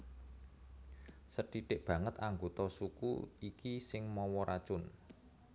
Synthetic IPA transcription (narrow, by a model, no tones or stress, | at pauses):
səɖ̥iɖ̥ɪʔb̥ä̤ŋət̪aŋɡot̪ɔsukṵikisɪŋmɔwɔɾʔḁt͡ʃʊn